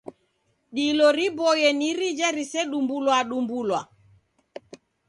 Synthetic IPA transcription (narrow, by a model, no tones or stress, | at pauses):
ɗilɔɾibɔjɛniɾid͡ʒɛɾisɛɗumbulwaɗumbulwa